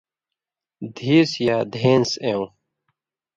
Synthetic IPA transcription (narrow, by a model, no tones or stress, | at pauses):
d̪ʱiːsjaːd̪ʱeːnseũ